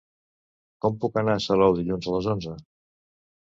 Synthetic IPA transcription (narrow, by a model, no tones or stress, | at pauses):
kɔmpukənasəlɔwðiʎunzələzonzə